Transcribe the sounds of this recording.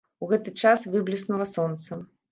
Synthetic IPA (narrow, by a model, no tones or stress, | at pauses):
uɣɛt̪ɨt͡ʂasvɨblʲisnulˠɐsɔnt̪sɐ